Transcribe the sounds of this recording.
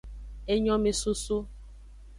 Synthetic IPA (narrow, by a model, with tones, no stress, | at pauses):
e˦ɲɔ̃˦me˨su˦su˦